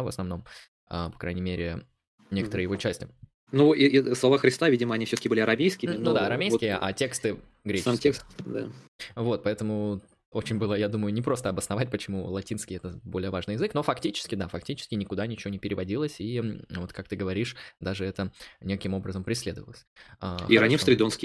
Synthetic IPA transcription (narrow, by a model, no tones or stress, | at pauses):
və̰snɐvno̞m | əpɐ̥kɾʔajnʲɪmʲeɾʲɪ | nʲekət̪əɾɨjɪvot͡ɕːæsʲtʲɪ | nuislˠɐvaxɾʲɪst̪avʲidʲɪməɐnʲifsʲot̪əkʲɪbɨlʲɪɐɾɐmʲejskʲɪnud̪aɐɾɐmʲejkʲɪjəʔa̰tʲe̞kst̪ɨ | ɡɾʲemtʲekst̪d̪a̰vo̞t̪̚pɐɛt̪əmʊ | o̞t͡ɕɪnʲbɨlˠəjad̪uməjʊnʲɪpɾo̞st̪əɐbəsnɐvat̚ʲpət͡ɕɪmulˠɐtʲinskʲɪjɛt̪əbo̞lʲɪjəvaʐnɨjɪzɨkno̞fɐktʲit͡ɕɪ̥skʲɪd̪afɐk̚tʲit͡ɕɪ̥skʲɪnʲɪkʊd̪anʲɪt͡ɕɪvo̞nʲɪpʲɪɾʲɪvɐdʲilˠəsʲivo̞t̪kakt̪ɨɡəvɐɾʲiʂd̪aʐɨɛt̪ənʲekəkʲɪmo̞bɾəzəmpɾʲɪsʲlʲe̞d̪əvəlˠəsʲaḭɾɐnʲifsɾɪd̪onskʲɪ